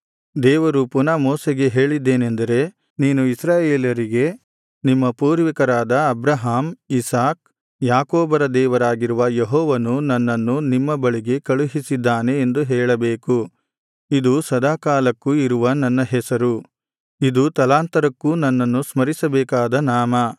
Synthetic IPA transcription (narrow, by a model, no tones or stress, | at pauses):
d̪ɛːʋɐɾupunaːmɔːseɡe̞ɦe̞ːɭid̪ːeːnend̪ɐɾe̞ | niːnuisɾaːjeːljɐɾiɡe̞ | nimːɐpuːɾʋikɐɾaːd̪ɐɐbɾɐɦaːmisaːk̚ | jaːkoːbɐɾɐd̪ɛːʋɐɾaːɡiɾuʋɐjeɦɔːʋɐnunɐnːɐnːunimːɐbɐɭiɡe̞kɐɭuɦisid̪ːaːne̞ːnd̪uɦɛːɭɐbeːku | id̪usɐd̪aːkaːlɐkːuiɾuʋɐnɐnːɐɦɛsɐɾu | id̪ut̪ɐlaːnt̪ɐɾɐkːunɐnːɐnːusmɐɾisɐbɛːkaːd̪ɐnaːmɐ